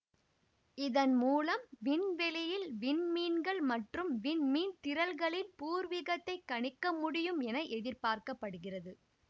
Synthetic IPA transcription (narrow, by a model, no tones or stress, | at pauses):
ɪðɐnmuːlɐmʋɪnʋɛlɪjɪlʋɪnmiːnɡɐɭmɐʈrɯmʋɪnmiːnt̪ɪɾɐlɣɐɭɪnpuːɾʋɪɣɐt̪ːɐɪkːɐɳɪkːɐmʊɽɪjɯmɛnɐʔɛðɪɾpaːɾkɐpːɐɽɯɣɪrɐðɯ